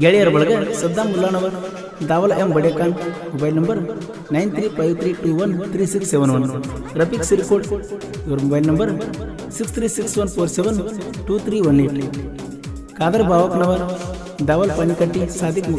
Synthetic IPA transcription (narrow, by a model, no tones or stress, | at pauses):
ɡeɭejɐɾbɐɭɡɐsɐd̪ːaːmulːaːnɐʋɐɾ | d̪aːʋɐlembɐɽjakaːnmobajlnɐmbɐɾ | najnt̪ʰɾiːpajʋt̪ʰɾiːʈuʋɐnt̪ʰɾiːsiksːeʋənʋɐn | ɾɐpiksiɾkoːʈ | joɾmobajlnɐmbəɾ | sikst̪ʰɾiːsiksʋɐnfoːɾseʋənʈut̪ʰɾiːʋɐnliːʈ | kaːd̪ɐɾbaːʋɐknɐʋɐɾ | d̪aːʋɐlpanikaʈːisaːd̪ikm